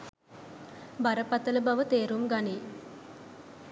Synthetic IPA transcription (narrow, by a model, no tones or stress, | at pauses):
baɾəpat̪ələbaʋət̪eːɾumɡaniː